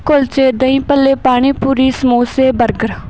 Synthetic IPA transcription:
kʊlt͡ʃeːd̪əĩːpəlːeːpaːɳ̃iːpuːɾiːsəmoːseːbəɾɡəɾ

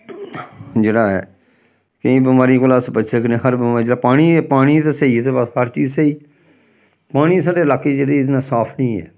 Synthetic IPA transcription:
d͡ʒeːɽaːɛ̰ː | kəĩːbəmaːɾiːkʊlaːsbət͡ʃːʃəknẽːɦəɾbəmaːɾid͡ʒeaːpaːɽ̃iːɛpaːɽ̃iːt̪eseiːt̪ebəshəɾt͡ʃiːzseiː | paːɽ̃ĩːsaːɖeːəlaːkːeːd͡ʒeːɽeːnãːsaːpʰnĩːɛ̰ː

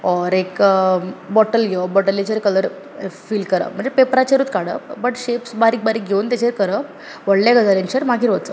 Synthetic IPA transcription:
ɔɾek | bɔʈəlɡʱeəbɔʈəlːit͡ɕeɾkələɾ | fiːlkəɾə̰ːm̤əɳd͡zepepɾat͡ɕeɾuːt̪kaɽə̰bəʈɕepsbaɾiːk̚baɾiːk̚ɡʱeunt̪jat͡ɕeɾkəɾə | ʋəɽlaɡəd͡zaɾẽnt͡ɕeɾmaɡʱiːɾʋət͡sə

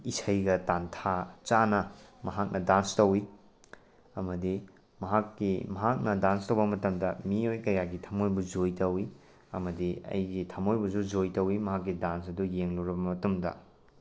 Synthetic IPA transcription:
isɐjɡɐtantʰat͡ʃanɐmɐɦak̚nʔɐdanstɐwi | ɐmɐdi | mɐɦakːimɐɦak̚nɐdanstɐwbɐmɐtɐmdɐmiojkɐjaɡitʰamojbud͡ʒojtɐwi | ɐmɐdiɐ̰jɡitʰamojbusud͡ʒojtɐwimɐɦakːidansɐdujeŋlɐwɾɐbɐmɐtɐmdɐ̰

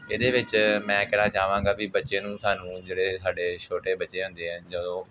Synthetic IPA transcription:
eːd̪eːʋɪt͡ʃmɛ̃ːkɛːɽãːt͡ʃaːʋãːŋɡaːbiːbətːʃẽːnũːsaːnũːd͡ʒeːɽeːsaːɖeːt͡ʃʰoːʈeːbətːʃeːɦʊ̃nd̪eːɦɛ̃nd͡ʒəd̪õː

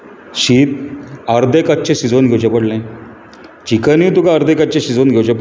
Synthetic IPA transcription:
ɕiːt̪aɾd̪ekat͡ɕẽɕid͡zonɡʱewt͡ɕẽpəɽlẽ | t͡ɕikəniwt̪ukaəɾd̪ekat͡ɕẽɕid͡zonɡʱewt͡ɕẽp

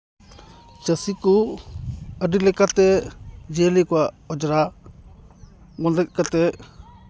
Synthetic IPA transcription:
t͡ʃəsikɔ | əɖilɛkat̪ɛd͡ʒɛlikɔwaʔ | ɔd͡ʒɾa | mɔnd̪əc̚ˀkat̪ɛ

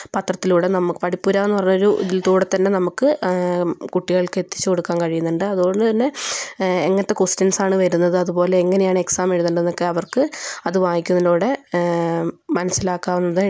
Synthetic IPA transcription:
pɐt̪rɐt̪ːiluːɽe̞nɐmukːɨpɐɽipːuːɾaːenːɨpɐrɐɲːuoɾuʔðilt̪uːɽɐt̪ːɐnːe̞nɐmukːɨ | kuʈːiɣɐɭkɨet̪ːi̥t͡ɕːɨko̞ɽukːaːnkɐɻijunːuɳɖɨɐðuɣo̞ɳɖɨt̪ɐnːe̞ | eŋːɐnɐt̪ːe̞kostɐnsaːɳɨʋɐɾunːɐðɨɐðupo̞ːle̞ːŋːɐnejaːɳɨe̞ksaːme̞ɻuðuɳɖenːo̞kːe̞ɐʋɐrkɨɐðɨʋaːjikʲːunːɐluːɽe̞ | mɐnɐsːilaːkːaːʋunːɐðɨ

